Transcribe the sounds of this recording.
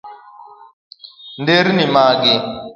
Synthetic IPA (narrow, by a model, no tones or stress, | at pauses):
ndeɾinimaːɡi